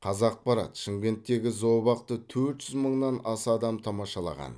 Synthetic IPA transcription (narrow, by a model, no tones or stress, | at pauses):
qʰɑzɑq̚pɑɾɑ̰t̪ʃɪŋɡʲe̞nt̪ːe̞ɡʲɪzobɑq̚t̪ət̪ʰɵɾt̪ʒ̥ʏzməɴnɑnɑsɑd̪ɑmt̪ʰɑmɑʃɑlˠɑ̰ʁɑ̰n